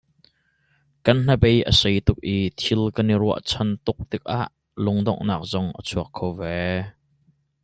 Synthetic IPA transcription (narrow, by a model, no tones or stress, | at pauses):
kɐnn̥ɐbejʔə̰sejt̪ʊk̚ʔit̪ʰilkɐniɾuɐ̰ʔt͡sʰɐnt̪ʊk̚t̪ɪk̚ʔaʔ | lʊŋd̪ɔ̰ŋnaːk̚zɔŋʔə̰t͡sʰuɐkʰːowvɛ